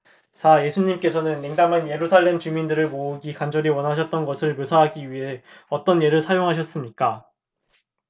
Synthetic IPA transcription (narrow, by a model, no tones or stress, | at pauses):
t͡ɕaje̞sʰuɲimk͈e̞sʰʌnɯnːeŋdamanje̞ɾusʰaɭːe̞mt͡ɕumindɯɾɯɭmouɡikand͡ʑʌɾiwʌnɦaɕʰʌt̚t͈ʌnɡʌsʰɯɭmjosʰaɦaɡiɥiɦe̞ʌt͈ʌnje̞ɾɯɭsʰajoŋɦaɕʰʌs͈ɯmɲik͈a